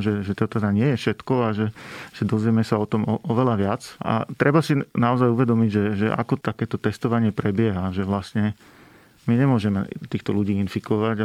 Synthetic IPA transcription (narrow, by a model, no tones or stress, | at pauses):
ʒɛʒɛt̪ɔt̪ɛd̪aɲɪɛjɛfʃɛt̪kɔaʒɛʒ̥ɛd̪ɔzʋjɛmɛsaɔt̪ɔmɔɔʋɛlaʋɪat͡sa̰t̪ɾɛbasinaɔzajuʋɛd̪ɔmiɟʒɛʒɛʔa̰kɔt̪akɛːt̪ɔt̪ɛst̪ɔʋaɲɪɛpɾɛbɪɛɦaʒɛʋlastɲɛ | miɲɛmʊɔʒɛmɛ̰t̪iːxt̪ɔluɟiːinfikɔʋaɟa